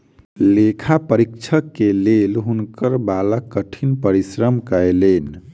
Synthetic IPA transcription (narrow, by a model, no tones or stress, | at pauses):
lekʰapəɾikt͡ʃʰəkːelelɦunkəɾbaləkːəʈʰinpəɾisɾəmkəelen